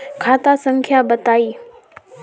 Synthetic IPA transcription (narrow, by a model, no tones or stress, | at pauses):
kʰaːt̪asə̃ŋkʰjabɐt̪aːiː